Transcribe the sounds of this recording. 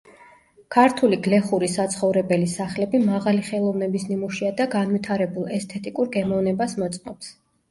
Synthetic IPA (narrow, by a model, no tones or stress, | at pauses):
kʰaɾt̪ʰuliɡlɛχuɾisat̪sʰχɔvɾɛbɛlisaχlɛbimaʁaliχɛlˠɔvnɛbisnimuʃiad̪aɡanwit̪ʰaɾɛbulˠɛst̪ʰɛt̪ʼikʼuɾɡɛmɔvnɛbasmɔt̪sʼmɔps